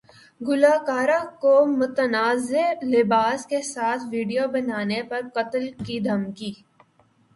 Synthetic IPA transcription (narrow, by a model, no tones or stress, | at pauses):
ɡʊlaːkaːɾakomʊt̪ənaːzelɪbaːskesaːt̪ʰʋiːɖijobɐnaːnepɐɾqɐt̪əlkid̪ʱɐmkiː